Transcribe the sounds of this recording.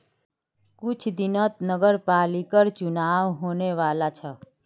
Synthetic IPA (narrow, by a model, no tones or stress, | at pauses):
kʊt͡ʃʰd̪inət̪̚nəɡəɾpalikəɾt͡ʃunaʋɦoneʋalat͡ʃʰə